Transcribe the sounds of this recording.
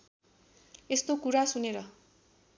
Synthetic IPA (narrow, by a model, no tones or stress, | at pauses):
est̪okuɾasuneɾʌ